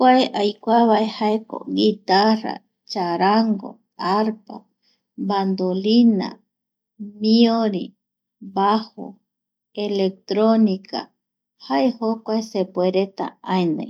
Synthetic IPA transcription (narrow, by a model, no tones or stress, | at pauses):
kʷaeʔajkʷaβaʔehaeko̰ɡit̪ara̰ | t͡ʃaɾaŋɡo̰ | aɾpa̰ | band̪olina̰ | mioɾi | baho̰ | elek̚t̪ɾonika̰ | haʔehokʷaesepweɾet̪a̰ãenã̰j